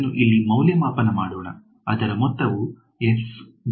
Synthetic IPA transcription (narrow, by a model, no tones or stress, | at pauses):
nːuʔilːimɐwljɐmaːpɐnɐmaːɽɔːɳɐ̰ | ɐd̪ɐɾɐmɔt̪ːɐʋu | es